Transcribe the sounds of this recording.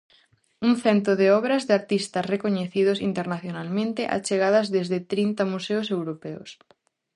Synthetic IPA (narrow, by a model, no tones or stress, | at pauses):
uŋθɛnt̪oðeɔβɾɐzðeaɾt̪ist̪ɐsrekoɲeθið̞osint̪eɾnaθjonalmẽnt̪eʔa̰t͡ʃeɣaðɐzðezðet̪ɾint̪amuseosewɾopɛo̰s